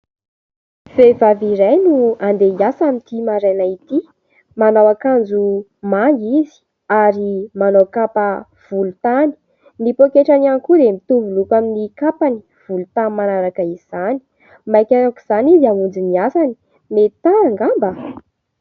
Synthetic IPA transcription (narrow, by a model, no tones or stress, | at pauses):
v̥evaviɾajnuand̪eiasamit̪imaɾajnait̪i | manawakand͡zu | maŋizi̥ | aɾimanawkapə | v̥ulut̪ani̥ | nipokeʈ͡ʂananikuɾemit̪uvulukaminikapani̥ | v̥ulut̪anmːanaɾakəiz̥ani̥ | majkʲaakuz̥anid̪iamund͡ziniasani̥ | met̪aaŋɡambə